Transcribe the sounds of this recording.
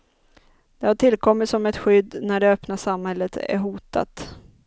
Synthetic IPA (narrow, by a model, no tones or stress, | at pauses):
d̪̥ɛhaʈʰɪlːkʰɔmːɪt̪sɔmɛt̪ɧʏd̪ːnæɖɛœpnaʂamhɛlːət̪æ̰ɾɦuːt̪a̰t̪